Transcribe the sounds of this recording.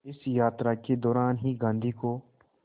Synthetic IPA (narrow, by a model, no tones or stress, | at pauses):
ɪsjaːt̪ɾaked̪ɔːɾaːnɦiɡãːnd̪ʱiko